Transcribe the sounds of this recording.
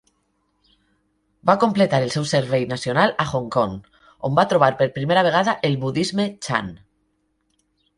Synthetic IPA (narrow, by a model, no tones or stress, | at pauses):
bakomplet̪aɾelsewseɾβ̞ejnasjonalaxoŋkoŋ | ombat̪ɾoβ̞aɾpeɾpɾimeɾaβ̞eɣ̞aðaʔelβuðizmet͡ʃa̰n